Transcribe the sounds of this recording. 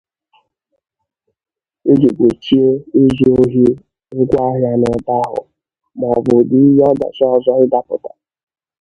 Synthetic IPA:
e˦d͡ʒe˨ɡʷe˨t͡ʃi˦e˦e˦zi˦o˦ɦi˦ | ŋ̩˦ɡʷa˦ɦja˦nʊ˨da˦ɦʊ̰˨ | m˨ɔ˨bʊ˨dɪ˦i˦ɦɔ˦da̰˨t͡ʃɔ˦˨zɔ˦ɾɪ˦da˦pʊ̰˨ta˨

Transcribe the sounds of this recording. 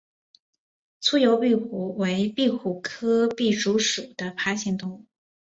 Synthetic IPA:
t͡sʰu˥jo˧˥ʊpi˥˩xu˧˥we˧˥ɪpi˥˩˧xu˨˩kʰɤ˥pi˥˩ʈ͡ʂu˧˥ʂu˨˩d̪̥ə˦pʰa˥ɕi˥˩ŋt̪ʊ˥˧ŋ˥

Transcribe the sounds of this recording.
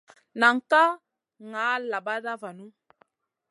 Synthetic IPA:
na˨ŋ̩˦˨ka˦ | ŋaː˨˦la˨ba˦da˦va˨nu˦

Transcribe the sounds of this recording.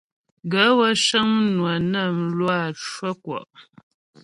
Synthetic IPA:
ɡə˨˦wə˦ʃə˦ŋnwa˨nə˦˨m̩˨lwa˦˨t͡ʃwə˦kwɔ̰˨ʔ

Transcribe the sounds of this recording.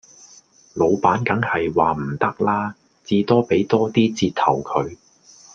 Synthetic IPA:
lo˨˧wpaː˨˥nkɐ˨˥ŋhɐ˨jwaː˨m̩˨˩t̪ɐ˥k̚laː˥ | t͡siː˧t̪ɔː˥pe˨˥jt̪ɔː˥t̪iː˥t͡siː˧t̚t̪ʰɐ̰˨˩wkʰɵ˨˧ɥ

